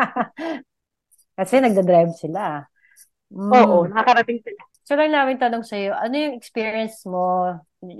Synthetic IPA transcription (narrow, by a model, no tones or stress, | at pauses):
kɐsɛnɐɡ̚d̪ɐd̪ɾajbsɪla | m̩oːʔonɐkakɐɾɐt̪ɪŋsɪla | solɐŋnaːmɪnt̪ɐnoŋsɐjo̞ʔɐno̞jʊŋɛkspiːɹiɐnsmo